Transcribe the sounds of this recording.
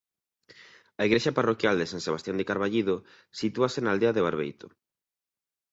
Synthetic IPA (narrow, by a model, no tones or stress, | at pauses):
ɐiɣɾeʃaparokjald̪esaŋseβ̞ast̪jand̪ekaɾβaʎiðo | sit̪uasenald̪eaðeβ̞aɾβḛjt̪o̥